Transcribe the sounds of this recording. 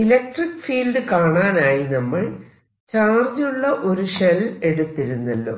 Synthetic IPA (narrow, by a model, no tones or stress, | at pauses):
ilɐk̚ʈrikːfiːlɖɨkaːɳaːnaːjinɐmːɐɭ | t͡ɕaːrd͡ʑuɭːɐʔo̞ɾuʂele̞ɽut̪ːiɾunːɐlːo̰ː